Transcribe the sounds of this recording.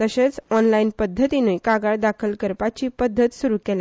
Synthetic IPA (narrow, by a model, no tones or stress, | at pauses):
t̪əɕet͡sɔnlainpəd̪ʱːət̪inũjkaɡaɭd̪akʰəlkəɾpat͡ɕiːpəd̪ʱːət̪suɾuːkɛlẽ